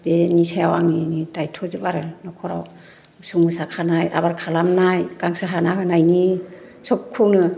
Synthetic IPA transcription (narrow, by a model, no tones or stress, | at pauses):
benisajawaŋinidajtʰɔzɯbaɾɯnɔkʰɔɾa̰w | suŋɯsakʰanaja̰baɾkʰalamnajkaŋsaɦanaɦɯnajni | sɔp̚kʰunɯ